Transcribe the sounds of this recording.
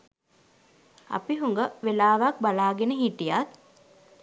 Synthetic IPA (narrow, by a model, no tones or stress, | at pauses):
a̰piɦuŋɡəʋelaːʋak̚balaːɡenəɦiʈijat̪̚